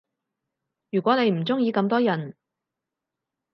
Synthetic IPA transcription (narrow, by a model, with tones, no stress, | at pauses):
jyː˨˩kʷɔː˨˥ne˨˧jm̩˨˩t͡sʊ˥ŋjiː˨˧kɐ˧mt̪ɔː˥jɐ˨˩n